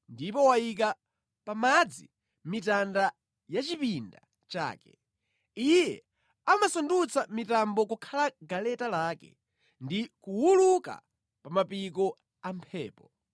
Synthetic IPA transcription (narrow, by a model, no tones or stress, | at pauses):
ndipɔwajik̬a | pamad͡zi | mitanda | jat͡ʃipinda̰ | t͡ʃa̰ːkɛ | ijɛ | amasɔndut͡samitambɔkukʰalaɡalɛtalaːkɛ̰ | ndikuwuluka̰ | pamapik̬ɔ | ampʰɛːpɔ